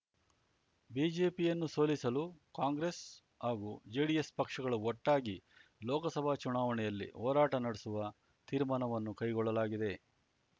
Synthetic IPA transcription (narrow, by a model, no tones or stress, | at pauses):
biːd͡ʒe̞ːpijɐnːuso̞ːlisɐlukaːŋɡɾes | haːɡuːd͡ʒeːɽijespɐkʂɐɡɐɭuɔʈːaːɡilɔːkɐsɐbʱaːt͡ʃunaːʋɐnɛjɐlːḭhɔːɾaːʈɐnɐɽesuʋɐ | t̪iːɾmaːnɐʋɐnːukɐjɡɔɭːɐlaːɡid̪e̞